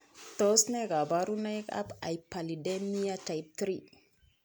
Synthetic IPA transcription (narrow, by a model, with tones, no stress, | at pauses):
t̪o˦sne˦ɡa˨ba˦ɾu˦na˦jka̰˦pa̰˨jpa˨li˨de˦mi˦a˦ta˨jp̚t̪ɾi˦